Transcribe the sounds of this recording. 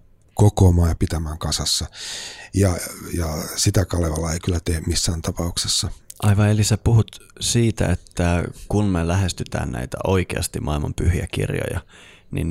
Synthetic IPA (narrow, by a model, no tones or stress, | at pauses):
kokoːmɑːjɑpit̪æmæːŋkɑsɑsːɑjɑjɑsit̪ækɑleʋɑlːɑeikylːæt̪eːmmisːæːnt̪ɑpɑuksesːɑʔɑiʋɑelisepuhut̪siːt̪æ̰et̪ːækunmelæhest̪yt̪æ̰ːnnæ̰it̪æ̰oikeɑst̪imʔɑilmɑ̰mpyhiækḭrjo̰jɑ̰ | nḭn